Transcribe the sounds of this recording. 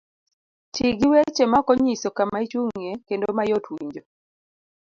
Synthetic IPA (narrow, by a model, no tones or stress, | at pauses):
t͡ʃiɡiwet͡ʃemakɔɲisɔkamait͡ʃuŋekendomajotwiɲd͡ʒo